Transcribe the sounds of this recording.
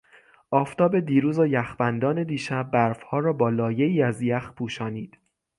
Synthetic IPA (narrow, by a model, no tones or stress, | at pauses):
ʔɒːft̪ʰɒːbe̞d̪iːɾuːzojæxbænd̪ɒːne̞d̪iːʃæbːæɾfhɒːɾɒːbɒːlɒːje̞iːæzjæxpʰuːʃɒːniːd̪̥